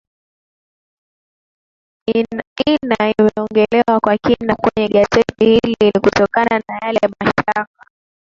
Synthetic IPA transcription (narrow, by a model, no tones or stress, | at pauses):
inaimɛɔŋɡɛlɛwakwakinakwɛɲɛɠazɛtihililikutɔkananajalɛmaʃtak̚a